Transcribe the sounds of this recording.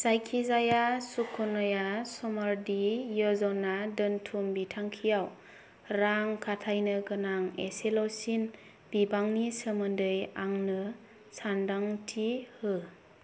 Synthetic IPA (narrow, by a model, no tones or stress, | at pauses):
sajkʰizajasukʰɔnɔjasɔmaɾdijɯzɔnadɯntʰumbitʰaŋkʰijaw | ɾaŋkʰatʰajnɯkɯnaŋḛselawsin | b̥ibaŋnisəmɯndɯjaŋnɯ | sandaŋtʰihɯ